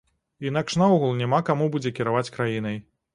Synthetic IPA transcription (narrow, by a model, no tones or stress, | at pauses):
in̪akʂnaɔɣulˠnʲamakamubud͡zʲɛkʲɛɾavat͡sʲkɾajinɐj